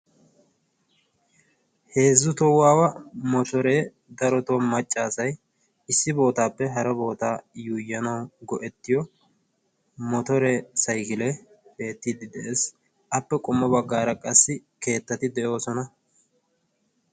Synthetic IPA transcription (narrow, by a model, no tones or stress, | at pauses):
he̞ːzːʊt̪ɔwaːwɐmɔt̪ɔɾe | d̪ɐɾɔt̪oːmɐt͡ʃʼːaːsɐj | ɪsːɪbo̞ːt̪aːpːɛɦɐɾɐbo̞ːt̪aːjuːjːɐnɐwɡɔʔɛt̪ːɪjɔ | mɔt̪ɔɾɛsɐjkɪlɛ | b̥e̞ːt̪ːiːd̪ɪd̪ɛʔeːs | ɐpːɛkʼɔmːɔbɐɡːaːɾɐkʼɐsːɪke̞ːt̪ːɐt̪ɪd̪ɛjo̞ːsɔnɐ